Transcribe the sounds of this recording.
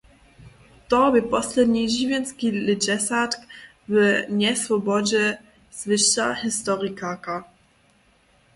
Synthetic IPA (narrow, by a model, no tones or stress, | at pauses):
t̪ɔbɘpɔslɛd̪ɲiʒivʲjɛnskʲilɪd͡ʑɛsat̪k | bɘwɲʲɛsvɔbɔd͡ʑɛ | z̥vɘʃa̰hist̪ɔʁikaka